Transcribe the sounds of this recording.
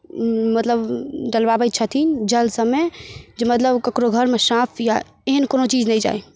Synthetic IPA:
mət̪ləbd͡ʒəlbabəj̚t͡ʃʰət̪ʰind͡ʒəlsəmed͡ʒemət̪ləbkəkɾoɡʱəɾmesãpʰja | eɦənkonot͡ʃiːd͡ʒnɛjd͡ʒa̰ːe

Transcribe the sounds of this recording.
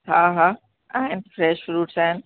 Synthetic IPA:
hãɦa | aɪɪ̃nt̪fɾɛʃfɾuːʈsæ̃n

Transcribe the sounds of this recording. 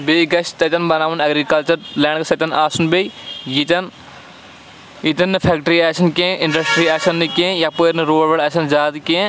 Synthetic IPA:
beɡɐʃt̪ɐt̪ɐnbɐnaːʋunɐɡɾikɐlt͡ʃɐɾlɛːɳɖksɐt̪ɐnaːsunbejjit̪ɐn | it̪ɐnːɨpʰɛkʈɾiaːʃɐnkẽːʔĩɳɖɐsʈɾiaːʃɐnːɨkẽjɐpoɾnɨɾoːɐʋɐɽɐʃɐnd͡ʒaːd̪kẽ

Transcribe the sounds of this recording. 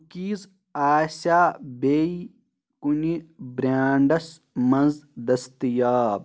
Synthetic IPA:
kiːz | aːsʲaːbeːi | kunibɾʲaːɳɖɐs | mɐnzd̪ɐst̪ijaːb

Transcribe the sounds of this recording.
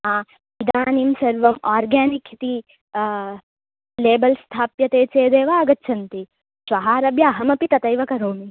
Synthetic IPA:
aː | id̪aːnimsɐɾʋɐmaːɾɡaːnikʰit̪i | leːbɐlst̪ʰaːpjɐt̪eːt͡ʃeːd̪eːʋaːɐɡɐtːt͡ʃʰɐnt̪i | ʃʋɐɦaːɾɐbjaːɦɐmɐpit̪ɐt̪ɐjʋɐkɐɾoːmi

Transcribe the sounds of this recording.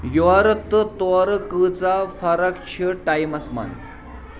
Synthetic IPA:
joaɾət̪ːət̪ɔaɾkət͡safaɾakt͡ɕʰəʈajmɐsma̰nt͡s

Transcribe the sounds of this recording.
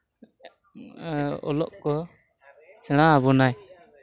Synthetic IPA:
ɔ̰lɔ̰ʔkɔ | sɛɽ̃abɔnaj

